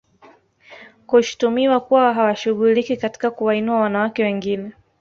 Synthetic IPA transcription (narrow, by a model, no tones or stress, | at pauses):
kuʃu̥tumiwakuwaɦawaʃuɣulikikati̥kakuwainuawanawakɛwɛŋɡinɛ